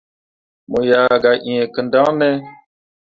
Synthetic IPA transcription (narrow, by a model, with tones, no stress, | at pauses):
mo˨jaː˨ɡa˨ʔi˨ɛ˨kə˨ndã˦nɛ˦